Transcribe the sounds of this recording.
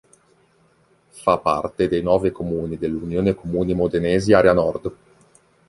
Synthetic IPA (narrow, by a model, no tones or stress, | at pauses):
fapːa̰rt̪ed̪ejnɔːvekomuːnid̪elːunjoːnekomuːnimod̪eneːziaːɾeanɔrd̪